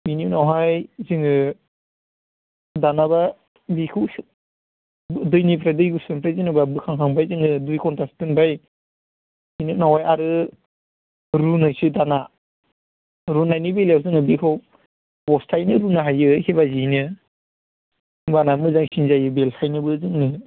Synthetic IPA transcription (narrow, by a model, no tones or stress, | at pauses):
bininawɦajziŋɯ | danaba | bikʰɯ | dɯjnipʰɾadɯjɡusɯnpʰɾazinɯbabɯkʰaŋkʰaŋbajziŋɯdujkɔntastɯŋbaj | ininawhajaɾɯ | ɾunɯjsidana | ɾunajnibeljawzɯŋɯbikʰɯw | bɔstʰajnɯɾunaɦajɯhiβazinɯ | banamɯzaŋsinzajɯbelhajnɯbɯzɯŋnɯ